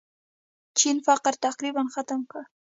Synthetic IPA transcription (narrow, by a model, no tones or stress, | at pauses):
t͡ʃinfaqəɾt̪aqɾibanxat̪amka